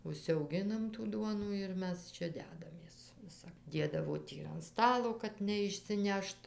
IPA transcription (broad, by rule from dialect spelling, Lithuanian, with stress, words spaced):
ʊʃʲsʲɛʊˈɡʲɪnɐm tuː ˈduɔnuː ɪr ˈmʲɛs ˈt͡ʃʲɛ ˈdʲæːdɐmʲeːs ˈʋʲɪsɐp ˈdʲeːdɐʋoː ˈtʲiː ɪr ɐn ˈstɑːlˠoː kɐt nʲɛɪʃʲsʲɪˈnʲɛʃt